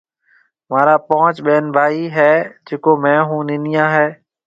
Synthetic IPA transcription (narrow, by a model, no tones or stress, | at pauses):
mãːɾaːpõːt͡ʃɓeːnbʱaːiːɦɛːd͡ʒeːkoːmɛ̃ːɦũːnɪnijãːɦɛː